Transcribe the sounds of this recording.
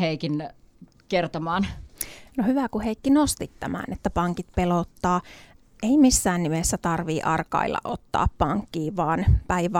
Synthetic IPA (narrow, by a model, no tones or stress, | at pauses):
heikin | kert̪omɑːnnohyʋækuheikːinost̪it̪tæmæ̰ːnet̪ːæpɑŋkit̪̚pelot̪ːɑː | ʔeimisːæːnnimesːæt̪ɑrʋiːʔɑrkɑ̰ilːɑ̰ʔot̪ːɑ̰ːppɑŋkːiːʋɑːnpæiʋæ